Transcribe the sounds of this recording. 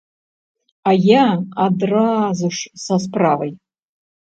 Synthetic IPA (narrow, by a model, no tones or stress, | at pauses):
ajaad̪razuʂsas̬pravɐj